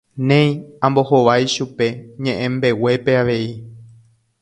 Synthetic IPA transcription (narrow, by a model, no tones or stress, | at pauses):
nẽ̞j̃ãmbo̞ho̞ʋajʃupe̞ɲẽ̞ʔẽmbe̞we̞pe̞aʋe̞i